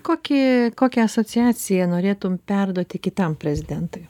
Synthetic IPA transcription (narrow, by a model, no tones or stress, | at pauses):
koːkʲɪkoːkʲɛɐsoːt͡ssʲɪæːsʲɪjɛnoːɾʲeːt̪ʊmpʲɛrd̪uɔt̪ʲɪkʲɪt̪ɐmpʲɾʲɛzʲɪd̪ʲɛnt̪ʊɪ